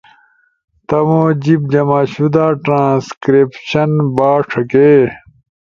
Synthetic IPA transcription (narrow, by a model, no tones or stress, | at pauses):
t̪ɐmod͡ʑib̚d͡ʑɐmaːɕud̪aːʈɾãːskɾepɕɐnbaːʈ͡ʂʰɐke